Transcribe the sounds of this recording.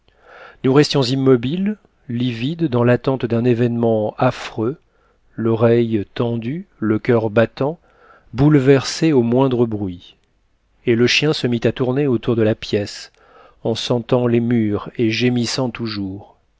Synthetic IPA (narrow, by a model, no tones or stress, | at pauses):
nuʁɛst̪jɔ̃zimːɔbil | livid̪ːɑ̃lat̪ɑ̃t̪d̪ɛ̃nevɛnmɑ̃afχø | lɔʁɛjt̪ɑ̃d̪yləkʲœʁbat̪ɑ̃ | bulvɛʁseomwɛ̃d̪ʁəbʁɥi | eləʃjɛ̃səmit̪at̪uʁneot̪uʁd̪əlapjɛs | ɑ̃sɑ̃t̪ɑ̃lemyʁeʒemisɑ̃t̪uʒuːʁ